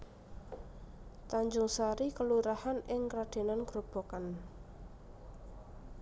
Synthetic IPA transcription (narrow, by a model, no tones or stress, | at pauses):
t̪aɲd͡ʒʊŋsaɾikəluɾahanɪŋkɾad̪̥e̤nanɡ̥ɾob̥o̤kan